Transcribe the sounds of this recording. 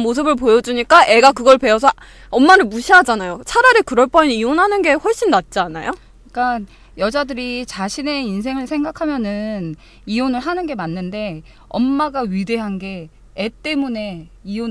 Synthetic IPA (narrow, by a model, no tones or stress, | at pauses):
mos̬ʰɯbɯɭpojʌd͡ʑuɲik͈aʔe̞ɡakɯɡʌɭpe̞ʌs̬ʰʌ | ʌmːaɾɯɭmuɕʰiɦad͡ʑanajot͡ɕʰaɾaɾikɯɾʌɭp͈ʌinionɦanɯnɡe̞ɸwʌɭɕ͈inːat̚t͡ɕ͈iana̰jo | ik͈an | jʌd͡ʑadɯɾit͡ɕaɕʰine̞ins̬ʰe̞ŋɯɭsʰe̞ŋɡakʰamjʌnɯn | ionɯɭɦanɯnɡe̞manːɯnde̞ | ʌmːaɡaɥide̞ɦanɡe̞ː | t͈e̞mune̞ | io